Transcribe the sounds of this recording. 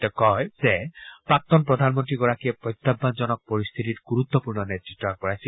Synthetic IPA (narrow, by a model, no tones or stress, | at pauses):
t̪ekɔzepak̚t̪ɔnpɾɔd̪ʱanmɔnt̪ɾiɡɔɹakiepɾɔjt̪ːabʱːand͡ʒɔnɔk̚pɔɾist̪ʰit̪itɡuɾut̪ːɔpuɾnɔnet̪ɾitːɔak̚kɔɹajsi